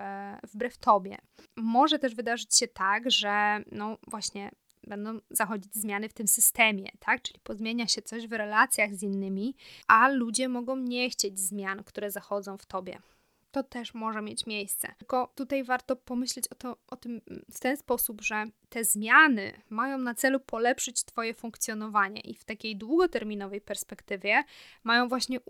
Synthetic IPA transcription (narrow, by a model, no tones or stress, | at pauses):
vbɾɛft̪ɔbʲjɛ̰mɔʐɛt̪ɛʐvɘd̪aʐɘt͡ɕɕɛt̪aɡʐɛnɔvwaɕɲɛ | bɛnd̪ɔ̃w̃zaxɔd͡ʑid͡ʑzmjanɘft̪ɘmsɘst̪ɛmʲjɛ̰t̪ʰak̚t͡ʂɘ̥lʲipɔzmʲjeɲaɕɛt̪sɔʑvɾɛlat̪sʲjaɣzinːɘmʲiʔalud͡ʑɛmɔɡɔ̃w̃ɲɛxt͡ɕed͡ʑzmʲjankt̪uɾɛzaxɔd̪zɔ̃w̃ft̪ɔbʲjɛ̰ | t̪ɔt̪ɛʂmɔʐɛmʲjet͡ɕmʲjejst̪sɛ̰kɔt̪ut̪ajvaɾt̪ɔpɔmɘɕlɛt͡ɕɔt̪ɔʔɔt̪ɘmft̪ɛnspɔsubʐɛt̪ɛzmʲjanɘ̰majɔ̃w̃nat̪sɛlupʰɔlɛpʂɘt͡ɕt̪fɔjɛfũŋkt̪sʲjɔnɔvaɲɛ̰ʔift̪akʲejd̪wuɡɔt̪ɛɾmʲinɔvɛjpɛɾspɛkt̪ɘvʲjɛmajɔ̃w̃vwaɕɲɛ